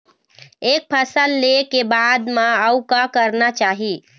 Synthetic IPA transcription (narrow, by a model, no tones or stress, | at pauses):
ek̚pʰəsəlːekebad̪maəwkakəɾnat͡ʃaɦi